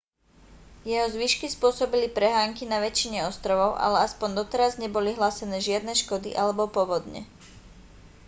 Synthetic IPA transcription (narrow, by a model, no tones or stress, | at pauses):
jɛɦɔzʋiʃkispʊɔsɔbilipɾɛɦaːŋkinaʋɛt͡ʃiɲɛɔst̪ɾɔʋɔʊʔa̰lɛaspɔnd̪ɔt̪ɛɾazɲɛbɔliɦlaːsɛnɛːʒɪad̪nɛʃkɔd̪ḭʔalɛbɔpɔʋɔd̪ɲɛ̰